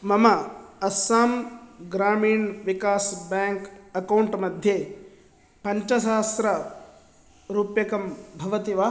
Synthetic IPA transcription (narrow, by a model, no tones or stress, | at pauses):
mɐmɐɐsaːmɡɾaːmiːɳʋikaːsbaːŋkɐkɐwɳʈmɐd̪ʱjeː | pɐɲt͡ʃɐʃaːst̪ɾɐ | ɾuːpjɐkɐmbʱɐʋɐt̪iʋaː